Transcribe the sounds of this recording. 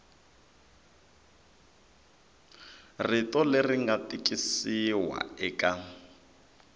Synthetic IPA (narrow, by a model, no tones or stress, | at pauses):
ritɔleriŋɡatikʼisiwa̰ɛka